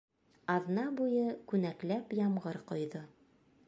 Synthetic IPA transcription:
ɑðnɑbujɤkʉnæklæpjɑmʁɤɾqŏjðɤ

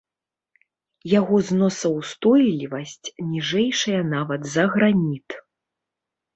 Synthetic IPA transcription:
jaɣɔznɔsɐwst̪ɔjlʲivɐsʲt͡sʲnʲiʐɛjʂɐjɐnavɐt̪zɐɣɾanʲit̪

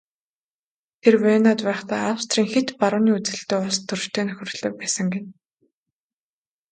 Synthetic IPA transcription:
t̪ʰerweːnaːt̪pæːχt̪æːawst̪riːŋxet̪paɾʊːniːut͡sɘ̆ɬt̪eːʊɮst̪ʰːɵrʃt̪ʰeːnɵxʲɵ̆r̆ɮ̥ɘ̆k̚pæːsə̆ŋɡen

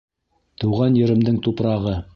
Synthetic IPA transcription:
t̪ɵ̆wʁɑnjɵ̆ɾɘ̆md̪ɘŋt̪upɾɑʁɤ

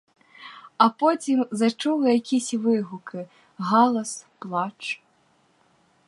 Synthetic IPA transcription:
ɐpɔt͡sʲimzat͡ʂuwjakʲisʲvɨɣukɨ | ɣɔlˠɐsplˠat͡ʂ

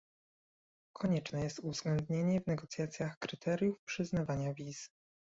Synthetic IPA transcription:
kʰɔɲɛt͡ʂnɛjɛst̪uvzɡlɛnd̪ɲeɲɛvnɛɡɔt̪sʲjat̪sʲjaxkɾɘt̪ʰɛɾʲjufpʂɘznavaɲavʲiz

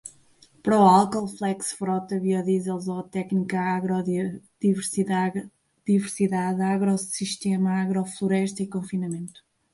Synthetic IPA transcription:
pɐɾɔalˠkɔlˠflˠɛksfɾɔt̪ɐβiɔðizelˠzɔt̪ɛknikɐaɣɾɔðivɾsia | ðivɨɾsiðaðaɣɾɔsiʃt̪emɐaɣɾɔflˠuɾɛʃt̪ɐikõfinɐmẽnt̪u̥

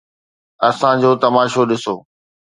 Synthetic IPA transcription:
ɐsãd͡ʑoːt̪ɐmaːʃoɗɪsoː

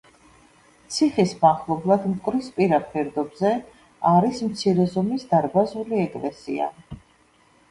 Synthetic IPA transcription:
t̪sʰiχismaχlˠɔblˠad̪mkʼɾispʼiɾapʰɛɾd̪ɔbzɛ | aɾismt̪sʰiɾɛzɔmisd̪aɾbazuliɛkʼvɛsḭa̰

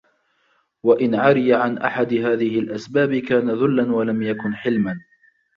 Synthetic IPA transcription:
waʔɪnʕaɾɪjaʕanʔa̰ħad̪ɪɦaːðɪhɪlʔasbaːbɪkaːnaðʊlːanwalamjakʊnħɪlman

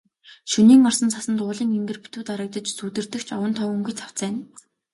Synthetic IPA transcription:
ʃuniːŋɔrsə̆nt͡sʰasə̆nt̪ʊːɮĭːŋemɡɘ̆rpi̥t̪uːt̪aɾə̆k̚t̪ə̆t͡ɕsut̪ɘ̆rt̪ɘ̆xt͡ɕʰɔwə̆nt̪ʰɔɵŋɡujt͡sʰḁw̥t͡sæːn

